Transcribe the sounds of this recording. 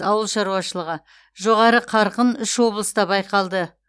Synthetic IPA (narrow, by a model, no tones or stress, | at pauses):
ɑwəlˠʃɑɾuɑʃəlˠəʁə | ʒo̞ʁɑɾəqʰɑɾqənʏʃwo̞blˠəst̪ɑbɑjqɑlˠd̪ə